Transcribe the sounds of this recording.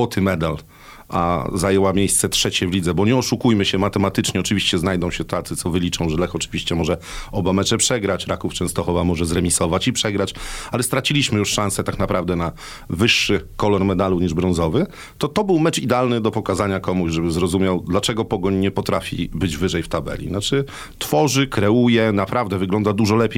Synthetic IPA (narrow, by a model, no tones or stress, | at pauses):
ɔt̪ʰɘmɛd̪al | ʔa̰zajɛwamʲjejst̪sɛt̪ʂɛt͡ɕɛvlʲid̪zɛbɔɲɛɔʂukujmɘɕɛmat̪ɛmat̪ɘt͡ʂɲɛɔt͡ʂɘvʲiɕt͡ɕɛznajd̪ɔ̃w̃ɕɛt̪at̪sɘt̪sɔvɘlʲit͡ʂɔ̃w̃ʐlɛxɔt͡ʂɘ̥vʲiɕt͡ɕɛmɔʐɛɔbamɛt͡ʂɛpʂɛɡɾat͡ɕɾakuft͡ʂɛ̃ñst̪ɔxɔvamɔʐɛzɾɛmʲisɔvat͡ɕipʂɛɡɾat͡ɕalɛst̪ɾat͡ɕilʲiɕmɘjuʂʂãñsɛt̪aknapɾavd̪ɛna | vɘʂːɘkɔlɔɾmɛd̪aluɲiʐbɾɔ̃nzɔvɘ | t̪ɔt̪ɔbɘwmɛt͡ʂid̪ɛalnɘd̪ɔpɔkazaɲakɔmuʑʐɛbɘzɾɔzumʲjawd̪lat͡ʂɛɡɔpɔɡɔɲɲɛpɔt̪ɾafʲḭbɘd͡ʑvɘʐɛjft̪abɛ̰lʲḭnat͡ʂɘ | t̪fɔʐɘkɾɛujɛnapɾavd̪ɛvɘɡlɔnd̪ad̪uʐɔlɛpʲjej